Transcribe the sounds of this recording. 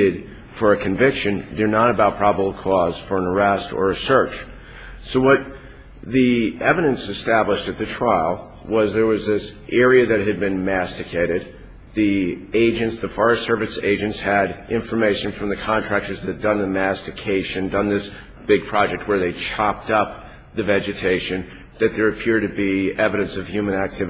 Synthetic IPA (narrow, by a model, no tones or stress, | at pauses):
ɨd̥ | fə˞ɨkʰɨ̃ɱvɪkʃɨ̃ndə˞nəɾəbaʊt̚pʰɹ̥ɑbəbl̩ˠkʰɔz̥fə˞ə̃nə˞ɛstə̰˞ɨsɜ˞t͡ʃ | soʊwʌt̪̚ | ðiɛvɨɾɨ̃nsɨstæbləʃtɨt̪̚ðɨtʰɹ̥aɪl̩ˠ | wʌzðə˞wʌzðɪsʔɛɹiɨðɨt̚ɦɨd̚bɨ̃nmæstɨkʰeɪɾɨd̪̚ | ðieɪd͡ʒɨ̃ntsðəfɑɹɨstsɜ˞vɨsḛɪd͡ʒɨ̃ntshɨɾʔɪ̃ɱfə˞meɪʃɨ̃nfɹʌ̃mðɨkʰɑ̃ntʰɹ̥æk̚tə˞zðɨt̚d̥ʌ̃nðɨmæstɨkʰeɪʃɨ̃ndʌ̃nðɪs | b̥ɪɡ̚pʰɹ̥ɑd͡ʒɛk̚t̚wə˞ðeɪt͡ʃʰɑp̚tʌp̚ | ðɨvɛd͡ʒɨtʰeɪʃɨ̃n | ðɨt̪̚ðə˞ɨpʰɪɹd̚ɾɨbiɛvɨɾɨ̃nsʌv̥hjʉmə̃ñæk̚tʰɪv